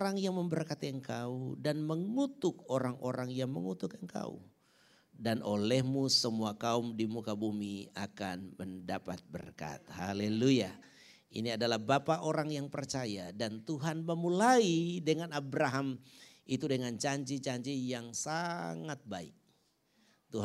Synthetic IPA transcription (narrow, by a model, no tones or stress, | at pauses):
ɾaŋjaŋməmbərkat̪iəŋkaudanməŋut̪ʊkoɾaŋoɾaŋjaŋməŋut̪ukəŋka̰ṵ | danʔolɛhmusəmuakaumdimukabumiakanməndapa̰t̪̚bə̰rka̰t̪̚haleluja | ḭniadalahbapaʔoɾaŋjaŋpərt͡ʃajadant̪uɦanməmulaidəŋanabɾaɦam | it̪udəŋant͡ʃaɲt͡ʃit͡ʃaɲt͡ʃijaŋsaŋat̪̚baɪ̰k̚ | t̪uɦ